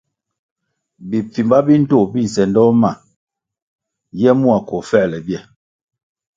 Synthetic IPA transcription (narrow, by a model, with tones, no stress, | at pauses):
bi˨p͡fi˨mba˦bi˦n̩˦to˦˨bi˦˨n̩˨sɛ˨ndɔ˦ma˦˨ | jɛ˦mu˦a˨ko˨fɛ˦˨lɛ˨bjɛ˦˨